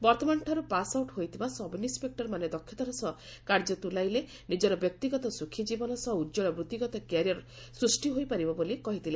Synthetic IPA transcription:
bɔɾt̪ɔmanʈʰɔɾupasawʈɦojt̪ʰibasɔbinispek̚ʈɔɾmaned̪ɔkʰjɔt̪ɔɾɔsɔ | kaɾd͡ʒɔt̪ulajle | nid͡ʒɔɾɔbjɔk̚t̪iɡɔt̪ɔsukʰːid͡ʒibɔnɔsɔudd͡ʒɔɭɔbɾut̪iɡɔt̪ɔkaɾjɔɾ | sɾusʈiɦojpaɾibɔbolikɔɦit̪ʰile

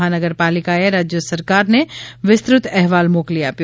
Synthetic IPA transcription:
ɦanəɡəɾpaːlɪkaeɾaːd͡ʒjəsɐɾkaːɾneʋɪst̪ɾʊt̪ʰɛɦʋaːlmoːklijap

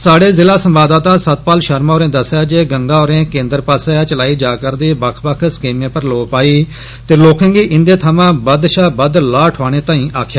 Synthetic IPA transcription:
saːɖeːzɪlaːsəmbaːd̪aːt̪aːsət̪̚paːlʃəɾmaoːɾẽːd̪əsjaːd͡ʒeːɡəŋɡãːoːɾẽːkẽːnd̪əɾpaːseːat͡ʃəlaːiːd͡ʒaːkəɾd̪iːbəkʰbəkʰskiːmẽːpəɾloːpaːiː | t̪eːloːkẽːɡiːʔɪnd̪eːt̪ʰəmãːbəd̪ʃaːbəd̪laːʈʰaːɽ̃eːt̪ãːĩːʔaːkʰjaː

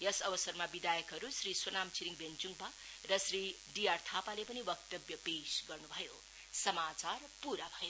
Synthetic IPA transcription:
jʌsʌbʌsʌrmabid̪ajʌkɦʌɾusriswʌnamt͡siɾiŋbent͡suŋba | rʌsri | ɖiart̪ʰapalepʌniwʌk̚t̪ʌbjʌbesɡʌrnubʱʌjo | sʌmat͡sarpuɾabʱʌjo

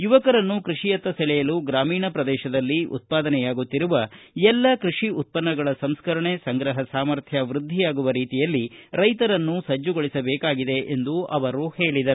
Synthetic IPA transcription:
juʋɐkɐɾɐnːukɾiʂijɐt̪ːɐsɐɭɛjɐluɡɾaːmiːɳɐpɾɐd̪ɛːʃɐd̪ɐlːiʔṵt̪̚paːd̪ɐnɛjaːɡut̪ːiɾuʋɐɛlːɐkɾiʂiut̪̚pɐnːɐɡɐɭɐsɐmskɐɾɐɳesɐŋɡɾɐɦɐsaːmɐɾt̪ʰjɐʋɾud̪ʱːijaːɡuʋɐɾiːt̪ijɐlːiɾɐjt̪ɐɾɐnːusɐd͡ʒːuɡoɭisɐbɛːkaːɡid̪e̞ʔend̪uɐʋɐɾuhe̞ːɭid̪ɐɾu

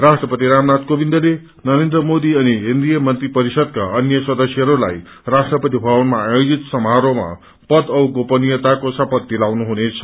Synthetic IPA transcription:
rasʈrʌpʌt̪iɾamnad̪kobind̪ʌle | nʌɾend̪rʌmod̪iʌniɦind̪ijʌmʌnt̪ripʌɾisʌd̪̚ka̰ʌnjʌsʌd̪ʌsjʌɦʌɾula̰j | rasʈrʌpʌt̪ibʱawʌnmaːjod͡zit̪sʌmɦaɾoma̰ | pʌd̪ʌwɡopʌnijʌt̪akosʌpʌd̪̚ːilawnuɦunet͡sʰʌ̥

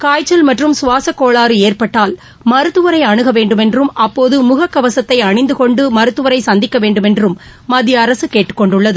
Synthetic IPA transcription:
kaːjt͡ʃːɐlmɐʈrɯmsʊʋaːsɐkːoːɭaːɾɯeːrpɐʈːaːl | mɐɾɯt̪ːɯʋɐɾɐɪɐɳɯɣɐʋeːɳɖɯmɛndrɯmɐpːoːðɯmʊɣɐkːɐʋɐsɐt̪ːɐɪɐɳɪnd̪ɯkɔɳɖɯmɐɾɯt̪ːɯʋɐɾɐɪsɐnd̪ɪkːɐʋeːɳɖɯmɛndrɯmː | ɐd̪jɐːɾɐsɯkeːʈːɯ̥kːɔɳɖɯɭːɐðɯ

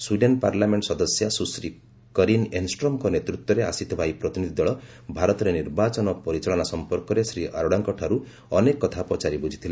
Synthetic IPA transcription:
swiɖenpaɾlameɳʈɔsɔd̪ɔsjasusɾi | kɔɾinensʈɾɔmkɔnet̪ɾut̪wɔɾeasit̪ʰɔbʱajpɾɔt̪inid̪ʱid̪ɔɭɔ | bʱaɾɔt̪ɔɾeniɾbat͡ʃɔnɔpɔɾit͡ʃaɭɔnasɔmpɔɾkɔɾesɾiʔa̰ɾɔɽaŋkɔʈʰaɾu | ɔnekɔɔt̪ʰapɔt͡ʃaɾibud͡ʒʱit̪ʰila

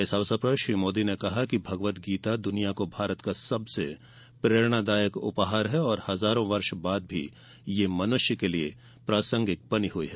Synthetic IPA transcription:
ɛːsaʋsɐpɾɐʃɾiːmoːd̪inekɐɦakibʱɐɡʋət̪ɡiːt̪ad̪ʊnijakobʱaːɾət̪kasɐbse | pɾeːɾɽ̃ad̪aːjəkʊ̰pɦaːɾɦɛɔːɾhɐzaːɾõʋɐɾʃbaːd̪̚bʱi | jemɐnʊʃjəkelie | pɾaːsə̃ŋɡɪk̚pɐniɦʊḭɦɛ

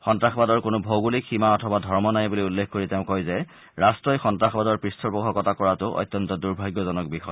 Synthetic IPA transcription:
xɔntɹaxbadɔɹkʊnʊbʱoɡulixʰimaɔtʰɔbadʱɔɹmɔnajbuliulːekʰkoɹiteʊ̃kojzɛ | ɹastɹɔjxɔntɹaxbadɔɹpɹistʰɔɹbɔkʰɔkɔtʰakɔɹatʊʔɔ̰jt̪ːjɔntɔduɹbʱajɡjɔzɔnɔk̚bixɔj

